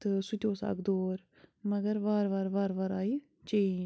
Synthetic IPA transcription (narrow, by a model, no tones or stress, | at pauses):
t̪ɨsut̪ʲoːsa̰ɡd̪oːɾ | mɐɡɐɾʋaːɾʋaːɾʋaːɾʋaːɾaːi | t͡ʃei